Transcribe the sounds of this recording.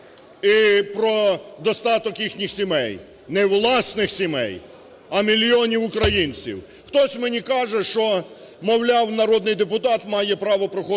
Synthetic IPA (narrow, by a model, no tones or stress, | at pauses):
ipɾɔd̪ɔst̪ɑt̪ɔkjixnʲixsʲimɛj | nɛwlˠɑsnɪxsʲimɛ̰j | ɐmʲilʲiɔnʲiwʊkɾɐjinʲt͡sʲḭw | xt̪ɔsʲmenʲikɑʒɛʃt͡ʃɔ | mɔwlʲawnɐɾɔd̪nɪjd̪epʊt̪ɑt̪mɑjɛpɾɑʋɔpɾɔxɔ